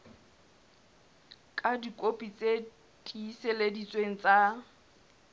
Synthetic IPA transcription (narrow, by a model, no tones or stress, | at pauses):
kʼadikʼopʼit͡sʼe | dʼiːseledit͡sʼweŋ̩t͡sʼa